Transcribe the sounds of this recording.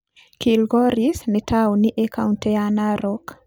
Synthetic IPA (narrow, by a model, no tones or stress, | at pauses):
kilɡɔɾisnɛtʰawniʔekauntɛanaɾok